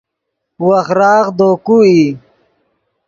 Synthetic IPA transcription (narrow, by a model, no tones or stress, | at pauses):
wɐxɾɑːɣd̪oːkui